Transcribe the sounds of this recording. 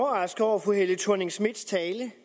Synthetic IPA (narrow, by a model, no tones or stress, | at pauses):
ʁɑ̈sɡ̥ɒʊ̰æfoɦelət͡sʰuɐne̝ŋsmid̥st͡sʰɛːlə